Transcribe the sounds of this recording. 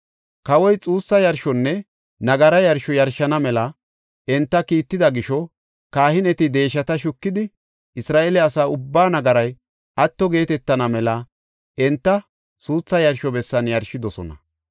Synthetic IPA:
kɐwɔjt͡sʼuːsːɐjɐɾʃɔnːɛ | nɐɡɐɾɐjɐɾʃɔjɐɾʃɐnɐmɛlɐ | ɛnt̪ːɐkiːt̪ːɪd̪ɐɡɪʃɔ | kaːhɪnɛt̪ɪd̪e̞ːʃ̬ːɐt̪ɐʃʊkːɪd̪ɪ | ɪsɾaːʔelɛɐsaːʊbːaːnɐɡɐɾɐj | ʔɐt̪ːɔɡe̞ːt̪ɛt̪ːɐnɐmɛlɐ | ɛnt̪ːɐ | suːt͡sːɐjɐɾʃɔbɛsːɐnjɐɾʃɪd̪ɔsɔ̰nɐ̰

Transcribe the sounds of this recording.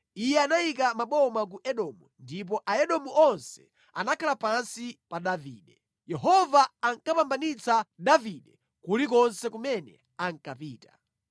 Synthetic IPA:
ijɛanaikamaɓɔmak̬uʔɛɗɔmundip̬ɔʔaɛɗɔmuʔɔnsɛ̥ | a̰nakʰalapansipaɗavḭːɗɛ | jɛɦɔvaaŋkapambanit͡saɗaviɗɛ | kulikɔnsɛkumɛnɛ̰ | aŋkapiːta

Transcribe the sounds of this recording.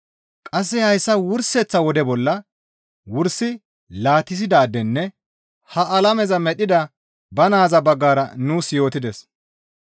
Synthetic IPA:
kʼɐs̬ːɛhɐjsːɐwʊɾsɛt͡sːɐwɔd̪ɛbɔlːɐ | wʊɾsɪ | laːt̪ɪs̬ɪd̪aːd̪ɛnːɛ | hɐʔɐlɐmɛzɐmɛɗɪd̪ɐ | bɐnaːzɐbɐɡːaːɾɐnuːsjo̞ːt̪ɪd̪ɛs

